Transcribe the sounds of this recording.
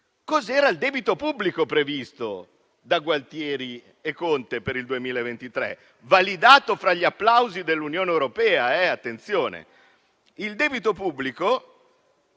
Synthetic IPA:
kɔzɛːɾaild̪ɛːbit̪opubːlikopɾevist̪o | d̪aɡwalt̪jɛːɾi | ekːont̪epeɾild̪uemiːlaevent̪it̪ɾḛ | valid̪aːt̪ofɾaʎːiapːlawzid̪elːunjoːneewɾopɛːaɛat̪ːent̪sjoːnḛ | ild̪ɛːbit̪opubːliko

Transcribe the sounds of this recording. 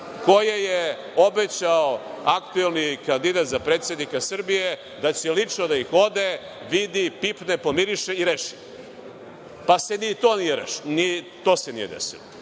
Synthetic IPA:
kojeje | o̞bet͡ɕaoakt̪uelˠnikand̪id̪at̪zapɾeːt̪sje̞d̪nikasr̩bije | d̪at͡ɕelit͡ʂnod̪aixo̞d̪e | ʋid̪ipipnepo̞miɾiʃeiɾeʃi̥ | pase̞nit̪o̞ːnijeɾḛʃi̥ni | t̪o̞senḭjed̪ḛsḭlo̰

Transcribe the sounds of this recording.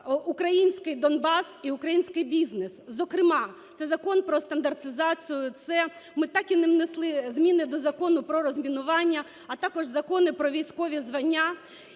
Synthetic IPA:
ukɾɐjinʲsʲkɪjd̪ɔnbɑsiʊkɾɐjinʲsʲkɪjbʲiznɪszɔkɾɪmɑt̪sɛzɐkɔnpɾɔst̪ɐnd̪ɐrt̪ɪzɑt͡sʲijʊt̪sɛ | mɪt̪ɑkʲinɪʋneslˠɪzmʲinɪd̪ɔzɐkɔnʊpɾɔɾɔzʲmʲinʊʋɑnʲːɐ | ɐt̪ɑkɔʒzɐkɔnɪpɾɔʋʲijsʲkɔʋʲizʋɐnʲːa

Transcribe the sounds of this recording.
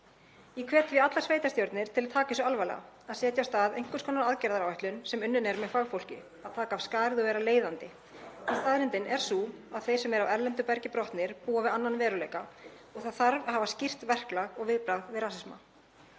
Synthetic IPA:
ikʰvɛːt̪viat̪lasveːjt̪ast̪jowɾt̪nɪɾ̥t̪ʰɪlaðt̪ʰaːcɪsɔalvalɛ̰ɣa̰aðsɛːt̪jawst̪aːðḛjŋ̥kʏskʰɔnːaɾaðcɛɾðaɾawɛht̪lʏnsɛmʏnːʏnɛɾmɛðfaɣfowl̥cɪ̰ | aðt̪ʰaːkaːv̥skaːɾðɔɣvɛːɾaleːjðant̪ɪ | ɛst̪aːðɾɪnt̪ɪnɛɾ̥suːaðθej̥sɛmɛɾavɛɾlɛnt̪ʏpɛɾcɪpɾɔht̪nɪɾ̥puːavɪðanːanvɛːɾʏlejka | ɔɣθaðθaɾvhaːvascɪr̥t̪vɛr̥klaɣɔɣvɪðpɾaɣðvɪðɾaːsɪsma

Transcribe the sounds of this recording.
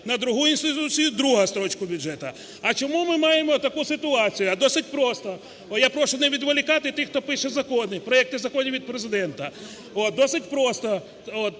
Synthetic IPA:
nɐd̪ɾʊɦujʊinst̪ɪt̪ut͡sʲijʊd̪ɾuɦɐst̪ɾɔt͡ʃkʊbʲʊʒɛt̪ɐ | ɐt͡ʃɔmumɪmɑjemɔt̪ɐkusɪt̪ʊɑt͡sʲijʊɐd̪ɔsɪt̚ʲpɾɔst̪ɐ | ɔjapɾɔʃʊnɛʋʲid̪ʋɐlʲɪkɑt̪ɪt̪ɪxt̪ɔpɪʃɛzɐkɔnɪpɾɔjɛk̚t̪ɪzɐkɔnʲiʋʲid̪̚pɾezɪd̪ɛnt̪ɐ | ot̪̚d̪ɔsɪtʲpɾɔst̪ɔ | ot̪

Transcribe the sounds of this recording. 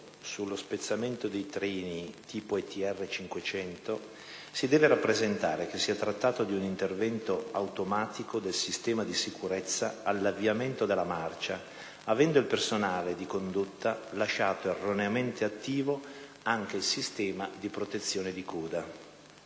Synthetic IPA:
sulːospet̪sːament̪od̪ejt̪ɾiːnit̪ʰiːpoet̪iɛrːet͡ʃiŋkwet͡ʃɛnt̪o | sid̪ɛːveɾapːɾezent̪aːɾek̟esːiat̪ɾat̪ːaːt̪od̪iunint̪ervɛnt̪oawt̪omaːt̪ikod̪elsist̪ɛːmad̪isikuɾɛt̪sːaalːaviament̪od̪elːamart͡ʃa | avɛnd̪oilpersonaːled̪ikond̪ut̪ːalaʃaːt̪oerːoneament̪eat̪ːiːvo | aŋk̟eilsist̪ɛːmad̪ipɾot̪et̪sːjoːned̪ikʰɔːd̪a

